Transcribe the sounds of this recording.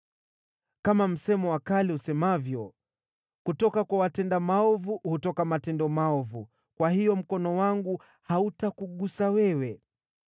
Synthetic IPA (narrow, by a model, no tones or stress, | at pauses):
kamam̩sɛmɔwakalihusɛmavjɔ | kutɔkakwawatɛndamaɔvuhutɔkamatɛndɔmaɔvu | kwahijɔm̩kɔnɔwaŋɡu | hautakuɠusawɛwɛ